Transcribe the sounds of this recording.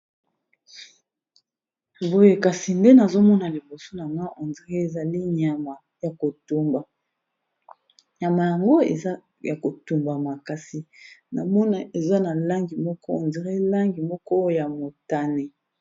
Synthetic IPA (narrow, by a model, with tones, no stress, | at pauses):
bo˦je˦ka˨si˨nde˦na˨zo˦mɔ˦na˨li˨bo˨so˦na˨ŋɡa˦ʔo˨nzi˨ʁe˦e˨za˨li˦ɲa˨ma˨ | ja˨ko˨tu˦mba˨ | ɲa˨ma˨ja˨ŋɡo˦ḛ˨z | ja˨ko˨tu˨mba˨ma˨ka˨si˨na˨mɔ˦na˨e˨za˦na˨la˦ŋɡi˨mɔ˦kɔ˦o˨nzi˨ʁi˦la˦ŋɡi˨mɔ˦kɔ˦ja˨mo˨ta˦ne˨